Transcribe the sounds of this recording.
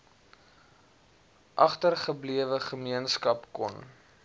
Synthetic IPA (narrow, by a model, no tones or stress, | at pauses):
ʔɐχtərχəbliəvəχəmiənskɐpkɔ̰n